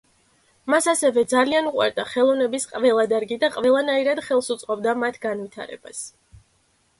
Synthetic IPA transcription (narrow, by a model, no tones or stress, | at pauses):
masasɛvɛd̪zalianuqʼwa̰ɾd̪aχɛlˠɔvnɛbisqʼvɛlˠad̪aɾɡid̪aqʼvɛlˠanaiɾad̪̥χɛlˠsut̪sʼqʼɔbd̪amat̪ʰɡanvit̪ʰa̰ɾɛ̰ba̰s